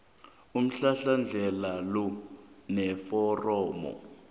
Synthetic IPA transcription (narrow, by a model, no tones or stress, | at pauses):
um̩ɬaɬand͡ɮʱɛlalɔnɛfɔrɔːmɔ̰